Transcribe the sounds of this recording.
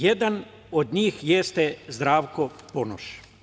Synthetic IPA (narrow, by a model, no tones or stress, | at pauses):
jed̪an | od̪ɲiːxjest̪ezd̪ɾaːʋkopono̰ʃ